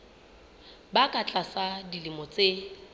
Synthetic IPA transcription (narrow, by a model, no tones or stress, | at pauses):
bakʼat͡ɬʼasadilimɔt͡sʼe